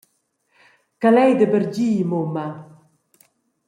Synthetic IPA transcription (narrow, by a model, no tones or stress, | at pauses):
kalɛjd̪əbəɾɟiːmoma